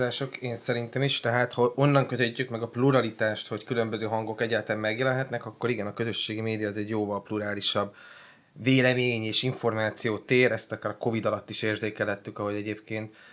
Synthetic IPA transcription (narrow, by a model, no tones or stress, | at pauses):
zaːʃo̞keːnsɛɾint̪ɛmiʃt̪ɛɦaːt̪hɒo̞nːɒŋkøzøɟːykmɛɡɒpluɾɒlit̪aːʃt̪ho̞ckylø̞mbøzøːɦɒŋɡo̞kɛɟːaːt̪aːmːɛɡjɛlɛnɦɛt̪nɛkɒkːo̞ɾiɡɛnɒkøzø̞ʃːeːɡimeːd̪ijɒːzɛɟjoːvɒlpluɾaːliʃɒb | veːlɛmeːɲeːʃiɱfo̞rmaːt̪sijoːt̪eːɾɛst̪ɒkaːɾɒko̞vid̪ɒlɒt̪ːiʃeːrzeːkɛlɦɛt̪ːykɒɦoɟɛɟeːpkeːnt̪